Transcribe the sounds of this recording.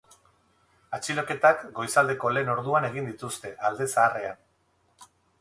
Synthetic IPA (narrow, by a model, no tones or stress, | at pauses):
at͡ʃilo̞ke̞t̪akɡo̞jsald̪e̞ko̞le̞ːno̞ɾðuane̞ɣind̪it̪ust̪e̞ʔald̪e̞saːre̞an